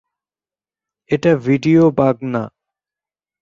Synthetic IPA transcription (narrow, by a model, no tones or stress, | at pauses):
eʈaʋiːɖijoːbaːɡnaː